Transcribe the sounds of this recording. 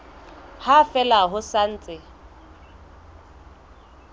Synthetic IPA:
hafɛlaɦʊsan̩ːt͡sʼɪ

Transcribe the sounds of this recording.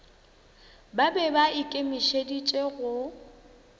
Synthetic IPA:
babɛbaɪkʼemɪʃedit͡ʃʼeɣʊ

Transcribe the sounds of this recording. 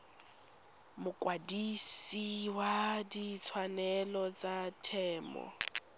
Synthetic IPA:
mʊkwadisiwadit͡sʰwanɛlɔt͡satʰɛːmɔ̰

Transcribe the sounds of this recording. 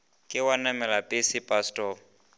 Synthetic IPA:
kʼɪwanamɛlapʼɪsɪpʼastʼɔ

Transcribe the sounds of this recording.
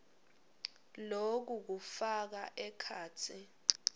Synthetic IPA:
lok̬uk̬ufak̬aʔɛkʰaːt͡sʰi

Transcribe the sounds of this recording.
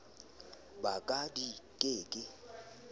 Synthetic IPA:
bakʼadikʼeːkʼɪ

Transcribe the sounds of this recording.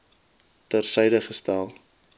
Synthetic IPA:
tərsɛjdəχəstælˠ

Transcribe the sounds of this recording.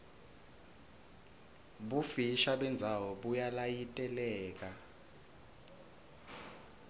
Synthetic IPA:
ɓufiʃaɓɛnd͡zʱawɔɓujalajitʼɛlɛːk̬a

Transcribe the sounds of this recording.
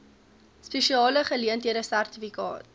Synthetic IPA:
speʃiɑːləχəliəntiəɾəsærtifikɑ̰ːt̚

